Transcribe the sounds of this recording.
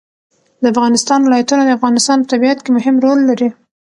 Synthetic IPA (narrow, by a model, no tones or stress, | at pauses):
d̪əafɣɑnɪst̪ɑnwɪlɑjat̪unad̪əafɣɑnɪst̪ɑnpət̪abiat̪kemʊhɪmɾolːaɾi